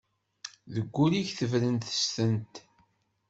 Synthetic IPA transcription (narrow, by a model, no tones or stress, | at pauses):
ðəɡʷːuliçθəvɾənt̪ə̥st̪ənt̪